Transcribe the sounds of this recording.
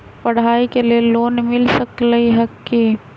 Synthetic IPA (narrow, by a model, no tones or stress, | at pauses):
pɐɽ̤aːikelieloːnmɪlsɐkləiɦɐkːiː